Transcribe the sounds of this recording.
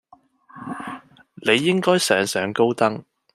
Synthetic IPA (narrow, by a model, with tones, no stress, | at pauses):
ne˨˧jːɪ˥ŋkɔː˥jsɛː˨˧ŋsœː˨˧˥ŋko˥wt̪ɐ˥ŋ